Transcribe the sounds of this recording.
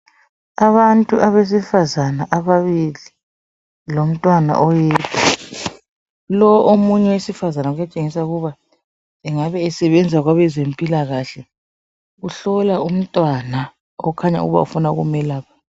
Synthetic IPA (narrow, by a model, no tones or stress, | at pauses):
aβantʼuʔaβes̬ifazanaʔaβaβili | lom̩tʼwana̰ʔɔjɛːtʰa | lɔʔomuɲɛwesifazanaujat͡ʃʼeŋisauɣuβa | ɛŋaβɛːsɛβɛnd͡zʱaɣwaβɛzempʼilaɣaɬɛ | uɬɔlaum̩tʼwana | ɔ̰ukʰaɲa̰ṵɣuβa̰ṵfunaɣṵmɛlaːpʰḁ